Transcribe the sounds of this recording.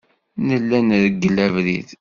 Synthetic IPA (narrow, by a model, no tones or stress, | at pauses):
nəlːænɾəɡːəlævɾið